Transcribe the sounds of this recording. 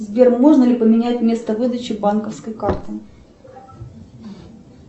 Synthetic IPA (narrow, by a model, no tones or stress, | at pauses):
zbʲermoʐnəlʲɪpəmʲɪnʲætʲmʲe̞st̪əvɨd̪ət͡ɕɪbankəfskəjkart̪ɨ